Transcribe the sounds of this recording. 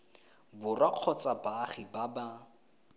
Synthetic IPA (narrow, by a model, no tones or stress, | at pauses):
bʊraq͡χʰɔt͡sabaχibaba